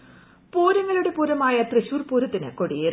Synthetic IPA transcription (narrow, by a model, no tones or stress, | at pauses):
poːɾɐŋːɐɭuɽe̞puːɾɐmaːjɐt̪rɨɕuːrpuːɾɐt̪ːinɨ̰koɽije